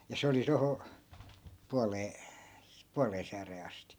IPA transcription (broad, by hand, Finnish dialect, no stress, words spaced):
jɑ se oli toho puɑleː puɑleː sæːreː ɑsti